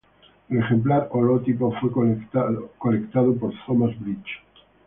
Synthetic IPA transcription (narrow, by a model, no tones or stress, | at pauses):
eleχxemplaɾolot̪ikofwe | kolekt̪að̞op̬oɾt̪omazbɾit͡ʃ